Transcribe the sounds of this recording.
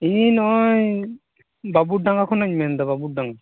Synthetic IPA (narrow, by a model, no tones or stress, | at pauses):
inɔɲ | babuɖaŋakʰɔnaɲmɛnd̪aβabuɖaŋa